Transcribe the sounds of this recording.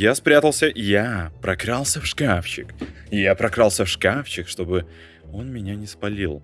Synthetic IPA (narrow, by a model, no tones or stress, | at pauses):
jaspɾʲat̪əlˠsʲəʔɪjapɾʔɐkɾalˠsʲəfʂkafɕɪ̰kɪjapɾɐkɾalˠsʲəfʂkafɕɪkʂt̪o̞bɨ | o̞nmʲɪnʲanʲɪspɐlʲilˠ